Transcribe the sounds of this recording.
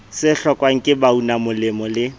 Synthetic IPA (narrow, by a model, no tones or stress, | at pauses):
sɪɬɔkʼwaŋ̩kʼɪbaunamʊlɪmɔlɪ